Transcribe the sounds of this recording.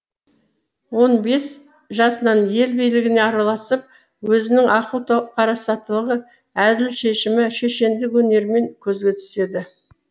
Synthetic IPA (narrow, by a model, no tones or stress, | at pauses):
wo̞nbe̞s | ʒɑsənɑnje̞lbijlɪɡʲɪne̞ɑɾɑlˠɑsəp̚ | wɵzɪnɪŋʔɑqəlˠt̪ʰoqʰɑɾɑsɑt̪ːəlˠəʁə | æd̪ɪlʃe̞ʃɪmɪʃe̞ʃe̞nd̪ɪkwɵne̞ɾme̞ŋkʲʰɵzɡʲe̞t̪ʰʏ̥se̞d̪ɪ